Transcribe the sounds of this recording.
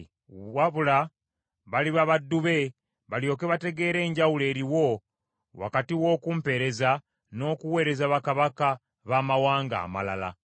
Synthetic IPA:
waβula | βaliβaβadːuβe̞ | βaljo̞ːke̞βate̞ɡe̞ːɾe̞ːɲɟawule̞ːɾiwo̞ | wa̰katiwo̞ːkuːmpe̞ɾe̞za | no̞ːkuwe̞ːɾe̞zaβakaβaka | βaːmawaːŋɡa̰ːma̰la̰la̰

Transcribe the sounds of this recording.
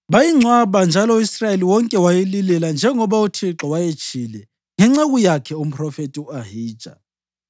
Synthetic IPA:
βajiŋ͡ǀʱwaβand͡ʒʱalɔisrajeliwɔŋkʼɛwajelilɛland͡ʒʱɛŋɔβautʰiǁɔwajet͡ʃʼʰilɛ | ŋɛŋ͡ǁaɣujakʰɛum̩pʰʼrɔfetʼiuahi̥ːʒ̥ʱa̰

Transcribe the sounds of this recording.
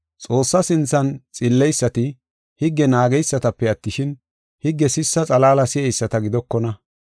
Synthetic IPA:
t͡sʼo̞ːsːɐsɪnt͡sːɐnt͡sʼɪlːɛjsːɐt̪ɪ | hɪɡːɛnaːɡɛjsːɐt̪ɐpːɛɐt̪ːɪʃɪn | hɪɡːɛsɪsːɐt͡sʼɐlaːlɐsɪɛjsːɐt̪ɐɡɪd̪ɔkːɔnɐ

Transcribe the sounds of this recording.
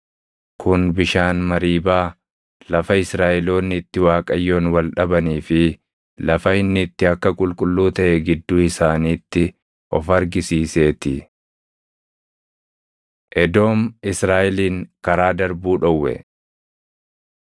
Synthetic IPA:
kʰʊnbɪʃaːnmɐɾiːbaː | lɐfɐɪsɾaːʔɛlo̞ːnːɪt̪ːɪwaːkʼɐjːo̞ːnwɐlᶑɐbɐniːfɪ | lɐfɐɪnːɪt̪ːɪɐkːɐkʼʊlkʼʊlːuːt̪ɐʔɛɡɪd̪ːuːɪsaːniːt̪ːɪ | ʔɔfɐɾɡɪsiːse̞ːt̪ɪ | ʔɛd̪o̞ːmɪsɾaːʔɛliːŋkɐɾaːd̪ɐɾbuːᶑɔwːɛ̰

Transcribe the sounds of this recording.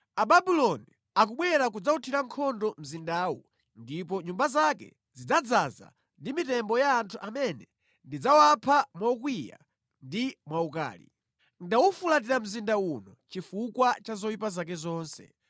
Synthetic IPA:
aɓabilɔni | ak̬uɓwɛɾakud͡zautʰiɾaŋkʰɔndɔm̩zindaːwu | ndip̬ɔɲumbazakɛ̰ | zid͡zad͡zaza̰ | ndimitɛmbɔjaːntʰuʔamɛnɛ | ndid͡zawapʰamwaukwija̰ | ndimwauka̰ːlḭ | ndawufulat̬iɾam̩zindaunɔt͡ʃifukwat͡ʃazɔwipazak̬ɛzɔːnsɛ̰

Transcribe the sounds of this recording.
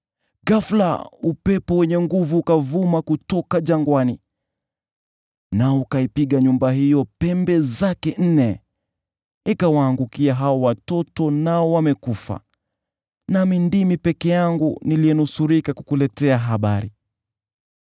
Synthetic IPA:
ɡafla̰upɛpɔwɛɲɛŋɡuvukavumakutɔkaʄaŋɡwani | naɔkaipiɠaɲumbahijɔpɛmbɛzakɛn̩nɛ | ikawaːŋɡukiaɦaɔwatɔtɔnaɔwamɛkufa̰ | namindimipɛkɛjaŋɡuniliɛnusuɾikakukulɛtɛaɦaɓaɾi

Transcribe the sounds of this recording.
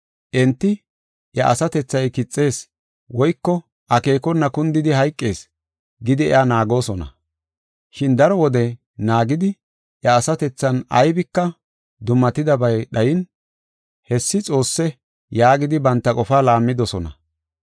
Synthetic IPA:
ʔɛnt̪ːɪ | ʔjɐʔɐsɐt̪ɛt͡sːɐjkɪt͡sʼːe̞ːs | wɔjkːɔ | ʔɐke̞ːkɔnːɐkʊnd̪ɪd̪ɪhɐjkʼːe̞ːs | ɡɪd̪ɪɛ̰aːnaːɡo̞ːsɔnɐ̰ | ʃɪnd̪ɐɾɔwɔd̪ɛ | naːɡɪd̪ɪ | ʔjɐːsɐt̪ɛt͡sːɐnɐ̰jbɪkːɐ | d̪ʊmːɐt̪ɪd̪ɐbɐjɗɐjɪn | hɛsːɪt͡sʼo̞ːsːɛ | jaːɡɪd̪ɪbɐnt̪ːɐkʼɔfaːlaːmːɪd̪ɔsɔnɐ̰

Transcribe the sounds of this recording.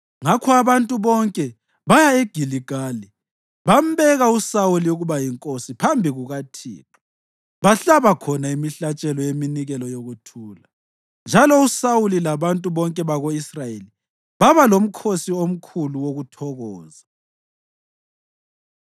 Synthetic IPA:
ŋakʰɔaβantʼuβɔŋkʼɛ | βajaeɡ̥ʱiliɡ̥ʱaːli | βam̩βɛɣausawuliuɣuβajiŋkʼosipʰambʱiɣuɣatʰḭːǁʰu̥ | βaɬaβakʰɔnaimiɬat͡ʃʼɛlɔjeminiɣɛlɔjoɣutʰuːla | nd͡ʒʱalɔusawulilaβantʼuβɔŋkʼɛβaɣoisrajeli | βaβalom̩kʰosiom̩kʰuluwoɣutʰɔɣɔːza

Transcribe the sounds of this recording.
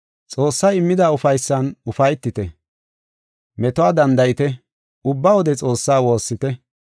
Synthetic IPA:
t͡sʼo̞ːsːaːɪmːɪd̪aːʊfɐjsːɐnʊfɐjt̪ːɪt̪ɛ | mɛt̪ɔaːd̪ɐnd̪ɐjɪt̪ɛ | ʊbːawɔd̪ɛt͡sʼo̞ːsːaːwo̞ːsːɪt̪ɛ

